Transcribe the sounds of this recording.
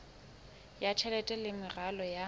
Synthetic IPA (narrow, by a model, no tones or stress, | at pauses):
jat͡ʃʰɛlɛtʼɛlɪmɪralɔja